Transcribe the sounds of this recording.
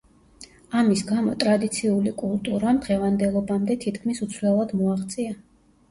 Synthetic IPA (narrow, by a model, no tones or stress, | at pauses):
amisɡamɔ̰t̪ʼɾad̪it̪sʰiulikʼulˠt̪ʼuɾamd̪ʁɛvand̪ɛlˠɔbamd̪ɛt̪ʰit̪ʰkʰmisut̪sʰvlɛlˠad̪mɔaχt̪sʼia